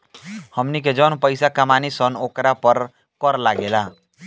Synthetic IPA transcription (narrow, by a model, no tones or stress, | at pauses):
həmnik̬ed͡ʒənpəɪsakamanisənokɾapəɾ | kɔɾlaɡela